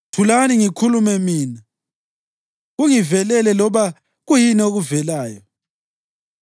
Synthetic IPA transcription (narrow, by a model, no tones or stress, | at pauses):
tʰulaniŋikʰulumɛmiːna | ɣuŋivɛlɛlɛlɔβa | ɣujinɛoɣuvɛlaːjɔ